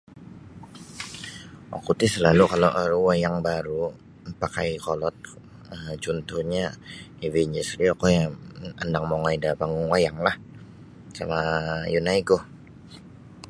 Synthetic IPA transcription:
ʔa̰kut̪isəlalukaloʔɾuwajaŋbaɾu | pakajkolɔt̪̚ | əmd͡ʒunt̪ʊɲaiviɲd͡ʒɛsɾiakɔjaəndaŋmoŋajdapaŋuŋwajaŋlah | samajunaikʊh

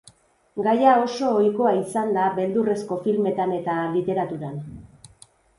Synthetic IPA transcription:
ɡajao̞so̞ːjko̞aisand̪aβe̞ld̪ure̞sko̞filme̞t̪ane̞t̪alit̪e̞ɾat̪uɾan

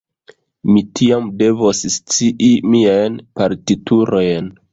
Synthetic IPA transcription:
mitʰiamde̞vosst͡siʔimiajnpaɾtituɾo̞jn

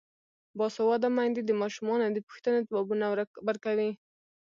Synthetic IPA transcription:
bɑsawɑd̪amajnd̪ed̪əmɑʃumɑnod̪əpu̥xt̪ənot̪abɑbunabəɾkawi

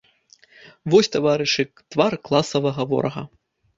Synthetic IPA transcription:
vɔsʲt̪avaɾɨʂɨ | t̪varklˠasɐvɐɣɐvɔ̰ɾʔɐɣɐ̰

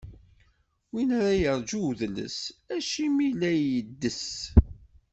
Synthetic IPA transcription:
winɾajəɾˤd͡ʒuðnə̰sæʃimilæjəd̪ːəs

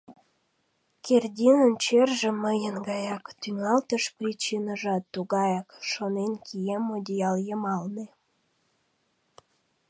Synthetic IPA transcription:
kʰerdʲinənt͡ɕerʒĕməjənɡɑjɑkt̪yŋɑlt̪əʃprʲit͡ɕinəʒɑt̪ːuɣɑjɑkʃonenkʰijemːod̪ʲijɑljəmɑlne

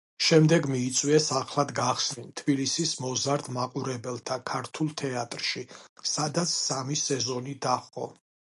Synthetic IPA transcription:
ʃɛmd̪ɛɡmiːt̪sʼwiɛsaχlˠad̪ɡaχsnint̪ʰb̥ilisismɔzaɾd̪maqʼuɾɛbɛlˠt̪ʰakʰaɾt̪ʰulˠt̪ʰɛat̪ʼɾʃisad̪at̪sʰsamisɛzɔnid̪aχqʼɔ̰

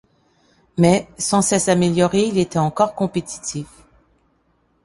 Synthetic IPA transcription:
mɛsɑ̃sɛsameljɔʁeilet̪ɛɑ̃kɔʁkɔ̃pet̪ʰi̥t̪ʰif

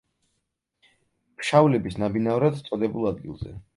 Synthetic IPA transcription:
pʃavulɛbisnabinavɔɾad̪t̪sʼɔd̪ɛbulˠad̪̚ɡḭlˠzɛ̰

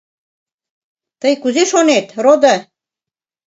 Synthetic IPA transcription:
t̪əjkuzeʃonet̪rod̪ɑ

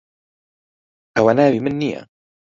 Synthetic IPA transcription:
ʔawanaːwimɪnːija̰

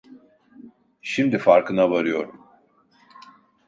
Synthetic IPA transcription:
ʃimd̪ifaɾkʰɯnavaɾɯjo̞ɾum

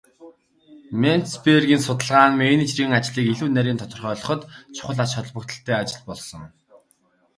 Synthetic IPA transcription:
men̥t̪sperɣʲiːnsʊt̪ə̆ɮʁaːŋmenit͡ɕrɣɘ̆ːŋat͡ɕɮiːkiɮuːnæɾʲiːnt̪ʰɔt̪ɞ̆rχœːɮɞ̆χɞ̆t̪t͡ɕʰʊ̥χə̆ɮat͡ɕχɔ̆ɮpɞ̆kt̪ə̆ɬt̪ʰeːat͡ɕɪ̆ɮpɔɮsɞ̆ŋ

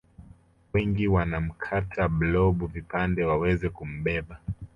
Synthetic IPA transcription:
wɛŋɡiwanam̩kʰatʰablɔɓuvipandɛwawɛzɛkum̩ɓɛɓa

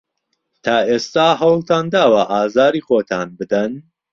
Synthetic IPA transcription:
t̪ʰaːʔeːst̪aːɦɐwlˠt̪ʰaːnd̪aːwɐʔaːzaːɾiːxoːt̪ʰaːnbɨd̪ɐn

